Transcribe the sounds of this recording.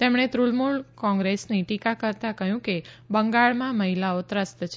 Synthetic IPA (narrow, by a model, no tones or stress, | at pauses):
t̪emɳ̃et̪ɾulmuɭkɔ̃ŋɡɾesniʈikakəɾt̪akəɦjũke | bəŋɡaɭmãməɦilaot̪ɾəst̪t͡ʃʰ